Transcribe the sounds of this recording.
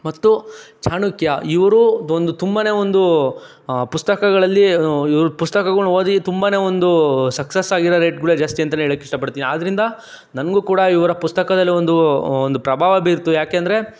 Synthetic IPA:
mɐt̪ːut͡ʃaːɳukjɐiʋɐɾuond̪ut̪umbaːne̞ːond̪u | pust̪ɐkɐɡɐɭɐlːiiʋɐɾupust̪ɐkɐɡuɭoːd̪it̪umbaːne̞ːond̪usɐksesːaːɡiɾɐɾeːʈɡuɭeːd͡ʒaːst̪ijɐnt̪̬ɐneeɭɐkːeiʂʈɐpɐɽt̪iːniaːd̪ɐɾind̪ɐ | nɐnɡuːkuːɽɐiʋɐɾɐpust̪ɐkɐd̪ɐlːiond̪uond̪upɾɐbʱaːʋɐbiːɾt̪ːujaːke̞ːɐnd̪ɐɾe̞

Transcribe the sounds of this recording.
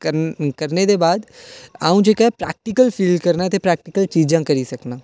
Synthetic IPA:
kəɾneːd̪eːbaːd̪aːũːd͡ʒeːkaːpɾɛ̰ːk̚ʈɪkəlpʰiːlɖkəɾnaːt̪eːpɾɛːk̚ʈɪkəlt͡ʃiːd͡ʒãːkəɾiːsəknaː

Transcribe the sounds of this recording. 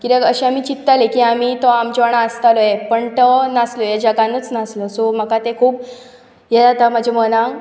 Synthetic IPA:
kiɾeɡəɕeam̤it͡ɕit̪ːalekiamit̪oamd͡ʑɔɳaəst̪alojepəɳt̪ənaslɔjad͡ʑaɡãnːət͡snasləsom̤əkat̪ekʰuːb | jed͡zat̪amad͡ʑʱemənã

